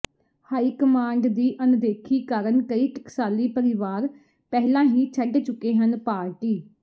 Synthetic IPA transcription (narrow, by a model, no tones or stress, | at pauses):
haːiːkəmãːɳɖd̪iːʔənʊd̪eːkʰiːkəɾənkəiːkɪksaːliːpəɾɪʋaːɾ | pɛɦlãːɦiːt͡ʃʰəɖt͡ʃʊkːeːɦənpaːɾʈiː